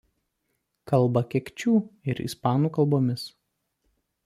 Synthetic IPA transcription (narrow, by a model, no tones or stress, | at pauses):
kɐlˠbɐkʲɛkʲt͡ʃʲuːɪɾḭspɑːnuːkɐlˠboːmʲɪs